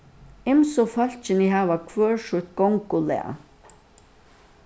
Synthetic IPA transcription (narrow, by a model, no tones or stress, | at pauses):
ɪmsɔfœl̥t͡ʃɪnɪɦaːvakʰvøːɹʂʊt̪̚ɡɔŋkʊlɛ̰a̰